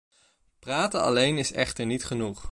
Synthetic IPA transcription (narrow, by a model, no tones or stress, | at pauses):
praːtənɑ̰lejnɪsɛ̰χtəɹnitχənuχ